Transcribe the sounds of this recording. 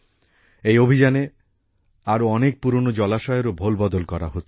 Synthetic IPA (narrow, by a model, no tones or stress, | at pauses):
ejobʱid͡ʑane | aɾoɔnek̚puɾonod͡ʑɔlaʃɔeɾobʱolbɔd̪olkɔɾa̰ɦot̪ː